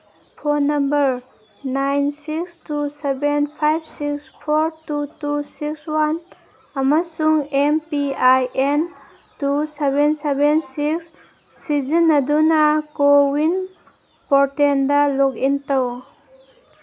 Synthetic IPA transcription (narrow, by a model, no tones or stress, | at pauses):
pʰonɐmbɐɾ | najnsikstusebenpʰajb̚ʰsikspʰoɾtutusikswan | ɐmɐsuŋempiajʔen | tusebensebensiksː | izinːɐdunɐkowin | pɔɾtendɐlokintɐw